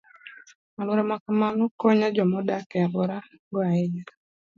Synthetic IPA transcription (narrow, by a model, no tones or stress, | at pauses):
malwɾɛmakamanɔkɔɲad͡ʒɔmɔdakɛabɔɾa | ɡɔaed͡ʒa